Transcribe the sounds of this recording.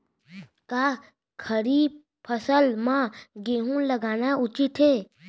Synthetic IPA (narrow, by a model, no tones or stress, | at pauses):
ka | kʰəɾiːb | pʰəsəlmãɡeːɦũləɡaːnaʊt͡ʃɪt̪ʰɦeː